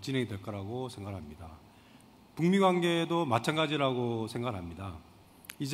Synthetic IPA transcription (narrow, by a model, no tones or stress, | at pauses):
t͡ɕinɦe̞ŋidwe̞ɭk͈ʌɾaɡosʰe̞ŋɡaɭɦamɲida | puŋmiɡwanɡe̞domat͡ɕʰanɡad͡ʑiɾaɡosʰe̞ŋɡaɭɦamɲida | id͡ʑ